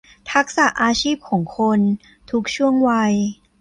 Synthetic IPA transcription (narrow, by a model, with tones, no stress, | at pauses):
t̪ʰa˦˥k̚sa˨˩ʔaː˧t͡ɕʰiː˥˩p̚kʰɔː˩˦ŋkʰo˧n | t̪ʰu˦˥k̚t͡ɕʰu˥˩əŋwa˧j